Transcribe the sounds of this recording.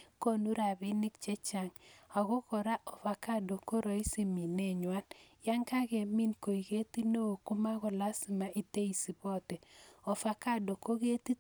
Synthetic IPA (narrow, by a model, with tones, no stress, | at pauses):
ko˦nu˦ɾa˨bɪ˦nɪ˦kt͡ʃɛ˦t͡ʃa˨ŋa˨ɣɔ˦kɔ˨ɾa˦ʔɔ˨fa˨ka˦do˨ko˦ɾɔ˨i˦si˨mi˨ne˦˨ɲwa˦nja˦ŋka˦ke˨mi˦nko˨i˨ke˦ti˦no˦o˨ku˦ma˦ɣɔ˨la˦si˨ma˨ʔi˨te˦i˨si˨bɔ˦˨tɛ˨ɔ˨fa˨ka˦˨do˨ko˦ɣe˦ti˦